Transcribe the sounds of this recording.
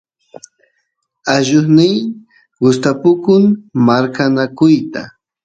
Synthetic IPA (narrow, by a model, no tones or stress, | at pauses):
aʒʊχnɪj | ɢʊst̪apʊkʊŋmaɾkanakʊjt̪a